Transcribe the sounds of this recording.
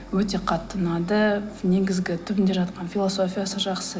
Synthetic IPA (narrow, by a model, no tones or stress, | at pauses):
wɵt̪e̞qʰɑt̪ːənɑd̪əne̞ɡʲɪzɡʲɪt̪ʰʏbɪnd̪e̞ʒɑt̪qɑnfʲilˠo̞so̞fʲijasəʒɑqsə